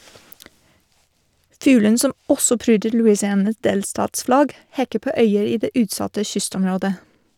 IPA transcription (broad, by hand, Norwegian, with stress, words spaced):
ˈfʉːlən ˈsɔm ˈɔsɔ ˈpɾyːdəɾ lʉɪsɪˈɑːnɑs ˈdeːlstɑːtsˌflɑɡ ˈhɛkə ˈpoː ˈœʏəɾ ˈiː ˈdeː ˈʉːtˌsɑtə ˈçʏstɔmˌɾoːdə